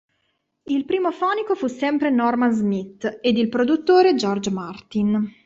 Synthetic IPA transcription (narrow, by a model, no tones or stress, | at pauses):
ilpɾiːmofɔːnikofusːɛmpɾenɔrmanzmit̪ːed̪ilpɾod̪ut̪ːoːɾed͡ʒɔrd͡ʒmart̪in